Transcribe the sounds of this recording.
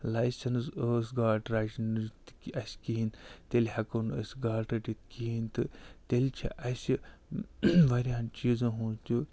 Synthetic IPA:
lajsʲɐnsəːsɡaːʈɾat͡ʃnɨt̪kʲɐsʲkint̪elʲhɐkonə̰sʲɡaːʈɾɐʈʲit̪kint̪ɨt̪elʲt͡ʃʰḭʔɐsʲi | ʋɐɾʲaːnt͡ʃiːzɐɦuːtʲu

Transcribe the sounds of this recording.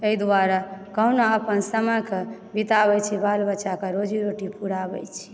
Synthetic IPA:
eid̪waɾakəɦunaəpənsəməkebit̪aβɛjt͡ʃʰibalbəːt͡ʃakeɾod͡ʒiɾoʈipuɾabɛ̰jt͡ʃʰi̥

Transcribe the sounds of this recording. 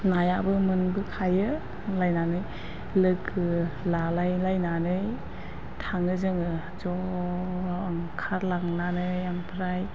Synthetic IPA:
najabɯmɯnbɯkʰajɯ | lajnanɯj | lɯkɯlalajlajnanɯj | tʰaŋɯzɯŋɯ | d͡ʒɔ | ɯŋkʰaɾlaŋnanɯjampʰɾaj

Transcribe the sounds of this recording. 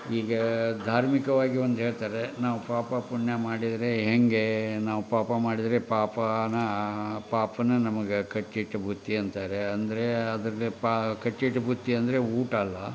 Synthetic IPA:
iːɡɐd̪ʱaːɾmikɐʋaːɡiond̪uɦeːɭt̪aːɾe̞naːʋupaːpɐpuɳjɐmaːɽid̪ɐɾe̞ɦeŋɡe̞naːʋupaːpɐmaːɽid̪ɐɾepaːpɐnɐpaːpɐnɐnɐmɐɡekɐʈːiʈːubʱut̪ːiɐnt̪aːɾeɐnd̪ɐɾe̞ɐd̪ɐɾɐlipakɐʈːiʈːubʱut̪ːiɐnd̪ɐɾe̞uːʈɐlːɐ

